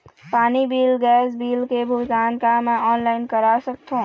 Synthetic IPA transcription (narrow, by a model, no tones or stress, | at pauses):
paːnibiːlɡɛːsbiːlkebʱʊkaːnkamẽɔːnlaːɪnkəɾasək̚t̪ʰõ